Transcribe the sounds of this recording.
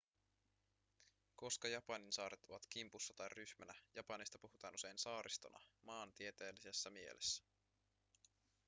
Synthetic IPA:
ko̞skɑjɑpɑninsɑːɾet̪o̞ʋɑt̪k̟impusːɑt̪ɑjryçmænæjɑpɑnist̪ɑpuɦut̪ɑːnʔuse̞jnsɑːɾʔist̪o̞̰nʔɑ̰mɑːnt̪ie̞t̪e̞ːlːise̞sːæmie̞̰lʔe̞̰sːæ̥

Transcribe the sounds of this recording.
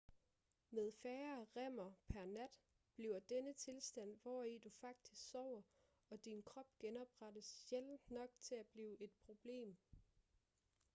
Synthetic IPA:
með̞ˠfæːɐʁɛm̰ɐpʰæɐnæd̥ | b̥liʊɐd̥enət͡sʰe̝lsd̥æn̰ʋɒid̥ufɑ̈ɡ̥̚d̥isɡ̥sɒʊ̰ɐ | ɒ̽d̥inkʰʁɒ̽b̥ɡ̥enɒ̽b̥ʁad̥əsjelnɒ̽ɡ̥̚t͡sʰe̝læb̥liːʊʔe̝d̥̚pʰʁo̝b̥le̝̰ːm

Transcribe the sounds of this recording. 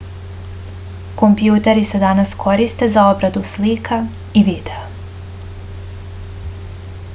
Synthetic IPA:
ko̞mpjuːt̪eɾise̞d̪anaskʰo̞ɾist̪e̞zao̞bɾad̪uslikʰa | iʋid̪eo

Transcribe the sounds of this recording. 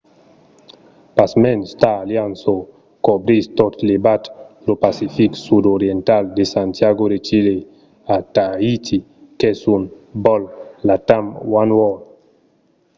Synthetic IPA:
pasmɛnstaːljanso | kɔbɾistɔtlebatlopasifiksudɔɾjɛntaldesantjaɡoɾet͡ʃile | ataitʰi | kɛsun | bɔllatamwanwɔl

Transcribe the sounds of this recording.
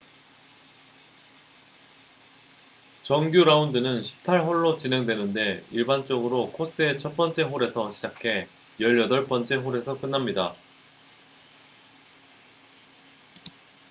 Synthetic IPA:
t͡ɕʌŋɡjuɾaundɯnɯnɕʰi̥p̚tʰaɭɦoɭːot͡ɕine̞ŋdwe̞nɯnde̞iɭbant͡ɕ͈ʌɡɯɾokʰos͈ɯe̞t͡ɕʰʌp͈ʌnt͡ɕ͈e̞ɦoɾe̞sʰʌɕʰi̥d͡ʑakʰe̞ | jʌʎːʌdʌɭp͈ʌnt͡ɕ͈e̞ɸoɾe̞sʰʌk͈ɯnːamɲida

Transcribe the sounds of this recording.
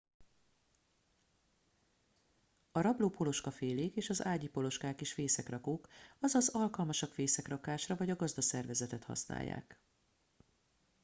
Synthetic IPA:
ɒɾɒbloːpo̞lo̞ʃkɒfeːleːkeːʃɒzaːɟipo̞lo̞ʃkaːkeʃfeːsɛkrɒkoːkɒzɒzɒlkɒlmɒʃɒkfeːsɛkrɒkaːʃrɒvɒɟɒɡɒzd̪ɒsɛrvɛzɛt̪ɛt̪hɒ̰sna̰ːjːa̰ːk

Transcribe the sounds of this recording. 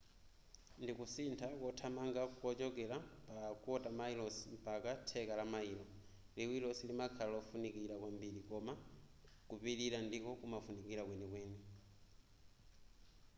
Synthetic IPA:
ndikusintʰakɔtʰamaŋɡakɔt͡ʃɔkɛlapakuɔtamailɔsi̥m̩pakatʰɛkalamailɔ | liwilɔsilimakʰallɔfunikiɾakwambiɾikɔma | kupiɾiɾandikɔkumafunikiɾakwɛnɛkwɛːnɛ

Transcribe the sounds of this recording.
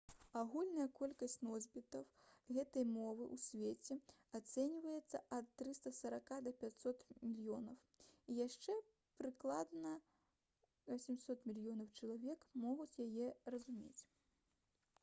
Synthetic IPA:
aɣulʲnɐjɐkɔlʲkɐsʲt͡sʲnɔzʲbʲit̪ɐwɣɛt̪ɐjmɔvɨʔusʲvʲet͡sʲɛ | at̪sɛnʲivɐjɛt̪sːɐʔɐt̪ːɾɨst̪ɐsɐɾakad̪ɐpʲat͡sʲsɔt̪mʲilʲjɔnɐw | ijaʂt͡ʂɛ | pɾɨklˠad̪nɐ | vɐsʲɛmʲsɔt̪mʲilʲjɔnɐwt͡ʂɐlˠavʲɛkmɔɣut͡sʲjajɛrɐzumʲḛt͡sʲ

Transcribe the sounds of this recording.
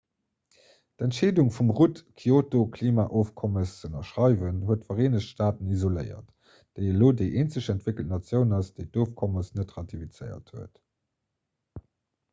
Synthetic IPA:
dæntʃeːduŋfumʁutkʰiotokʰliːmaːʔoːfkʰɔməst͡sənɐʃʁɑɪvənɦuətfɐʁeːnəʃʃtaːtənizolə̰ɪɐ̰t | d̥əɪəloːdəɪʔeːnt͡səʃæntv̥ɪkəlt̚nɑt͡sjəʊnɑsd̥əɪttoːfkʰɔməsnətʁɑtʰifit͡səɪɐ̰thuət

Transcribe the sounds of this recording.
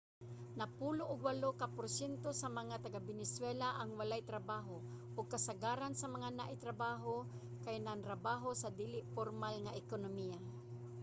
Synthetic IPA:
nɐpuːloʔʊɡwalokapʊɾsjɛnt̪osamɐŋat̪aɡabɪnɪswɛlaʔaŋwalajt̪ɾɐbaːɦo | ʔʊɡ̚kɐsaɡaːɾansɐmɐŋanaʔɪt̪ɾabaːɦo | kajnant̪ɾabaːɦosad̪iːlɪʔfoɾmalŋaʔɪkonomija

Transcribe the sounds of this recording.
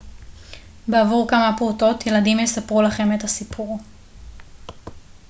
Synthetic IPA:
beavuʁkamapʁuto̞tje̞ladimjesapʁulaχe̞metasipʰuʁ

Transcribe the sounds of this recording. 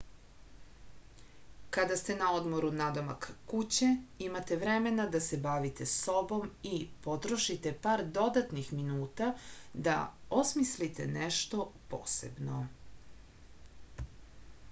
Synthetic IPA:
kad̪ast̪e̞nao̞d̪mo̞ɾunad̪o̞ma̰kkut͡ɕeimat̪eʋɾemenad̪asebaʋit̪eso̞bo̞mipo̞t̪ɾoʃit̪e̞paːɾd̪o̞d̪at̪nixminuːt̪ad̪a̰osmislit̪e̞̰neʃt̪o̞po̰ːsḛbno̞

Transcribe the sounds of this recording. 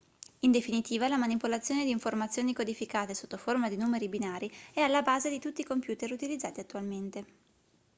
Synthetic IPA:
ind̪efinit̪iːvalamanipolat̪sːjoːned̪iːɱformat̪sːjoːnikod̪ifikaːt̪esot̪ːoformad̪inuːmeɾibinaːɾiɛalːabaːzed̪it̪ut̪ːikompjuːt̪eɾut̪ilid̪zːaːt̪iat̪ːualment̪e

